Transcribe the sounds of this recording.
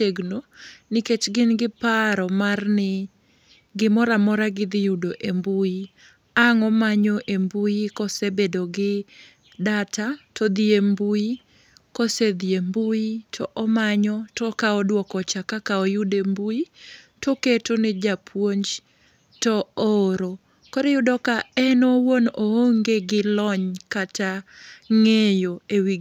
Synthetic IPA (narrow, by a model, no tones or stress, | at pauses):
eɡnoniket͡ʃɡɪnɡɪpaɾɔmarnɪ | ɡɪmɔɾamɔɾaɡɪd̪ɪjudoʔembui | aŋɔmaɲɔʔembujikɔsebedoɡɪ | datatʰɔd̪ɪembuji | kɔsed̪iembuitʰɔʔɔmaɲɔtɔkaɔdwɔkɔt͡ʃakakaɔjudembuitoketonɪd͡ʒapʰwoɲd͡ʒ | tɔoɾo | koɾejʊdɔkaɛnɔwonooŋɡeɡɪlɔɲkataŋejoewi